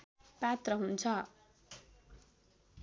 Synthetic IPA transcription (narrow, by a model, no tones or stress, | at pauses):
pat̪rʌɦunt͡sʰʌ